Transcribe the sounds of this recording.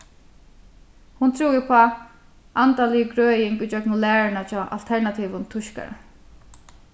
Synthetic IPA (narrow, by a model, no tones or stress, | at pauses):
hʊnt̪ʰɾuːjɪpʰɔa | ʔant̪alɪjəɡɹœːjɪŋkʊt͡ʃœknʊlæːɹɪnat͡ʃʰɔːʔa̰lt̪ʰɛɹnat̪ʰiːʋʊnt̪ʰʊʃka̰ɹa̰